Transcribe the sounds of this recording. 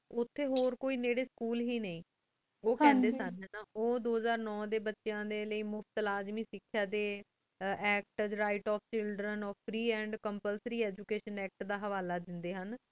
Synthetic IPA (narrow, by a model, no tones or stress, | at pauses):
ʊt̪ʰːeːɦoːɾkoːiːneːɽeːskuːlɦiːnəĩː | oːkɛ̃ːd̪eːsannaoːd̪oːɦəzaːɾnɔ̃ːd̪eːbətːʃejãːd̪eːləiːmʊft̪laːzmĩːsɪkʰːjaːd̪e | ɛːk̚ʈəd͡ʒɾaːɪʈɔːpʰt͡ʃɪlɖɾənɔːpʰɾiːɛ̃ːɳɖkəmpəlsɾiːɛːd͡ʒukeːʃənɛːk̚ʈd̪aːɦəʋaːlaːd̪ɪnd̪eːɦən